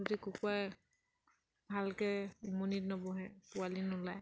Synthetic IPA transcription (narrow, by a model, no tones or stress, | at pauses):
dikukwaj | bʱalkɛumonitnɔbɔɦɛpualinʊlaj